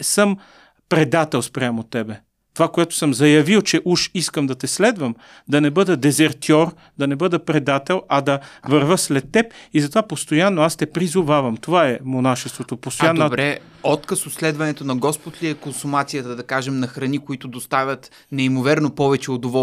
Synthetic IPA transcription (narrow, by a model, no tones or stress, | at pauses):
səm | pɾɛd̪at̪ɛlˠspɾʲamot̪ɛbɛ | t̪ovakoɛt̪ʊ̥sɤmzɐjɐvilˠt͡ʃɛʔuʃiskəmd̪ɐt̪ɛslɛd̪vəm | d̪ɐnɛbɤd̪ɐd̪ɛzɛɾt̪ɔɾ | d̪ɐnɛbɤd̪ɐpɾɛd̪at̪ɛlˠɐd̪ɐvɐɾvəslɛt̪ːɛpizɐt̪ovapost̪ojanːoast̪ɛpɾizʊvavɐmt̪ovaɛmonaʃɛst̪vot̪opost̪ojand̪bɾɛ | ɔt̪kəsot̪slɛd̪vɐnɛt̪onɐɡɔspʊt̪liɛkonsumat̪sijət̪əd̪ɐkaʒɛmnɐxɾɐnikoit̪ʊd̪ost̪avʲət̪ | nɛimovɛɾnopɔvɛt͡ʃɛod̪ovɔ